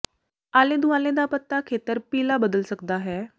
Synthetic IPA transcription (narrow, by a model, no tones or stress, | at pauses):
aled̪uʋãled̪apət̪ːakʰet̪əɾpilabəd̪əlsəkd̪aɦɛ